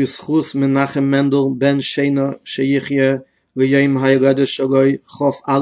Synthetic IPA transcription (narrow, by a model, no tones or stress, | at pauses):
ɪsχusmɪnaχəmɛndəlˠbɛnʃeɪnəʃɪjɪχjə | lɪjoɪmɦajɡɛdəʃɔɡɔɪχɔfa